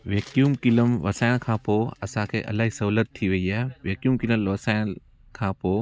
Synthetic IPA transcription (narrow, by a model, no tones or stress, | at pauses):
ʋeːkjuːmkɪləmʋɐsaːjnkʰãːpoɐsãːkʰḛʔɐ̰lːaːɦisɐɦuːlət̪ʰːiʋɐiɛːʋeːkjuːmkiləʋɐsan | kʰãːpoː